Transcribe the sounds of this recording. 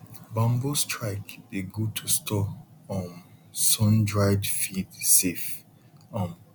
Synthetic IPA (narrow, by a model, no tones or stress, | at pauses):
bãmbostʰɹaɪkbiɡud̚tʰustʰɔɔmsɔ̃ndɹaɪdfidsef | ɔ̃m